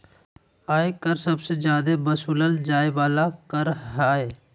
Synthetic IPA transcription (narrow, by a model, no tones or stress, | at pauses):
aːekəɾsɐbsed͡ʒjaːd̪ebəsuːləld͡ʒaːeʋaːlakəɾɦaːe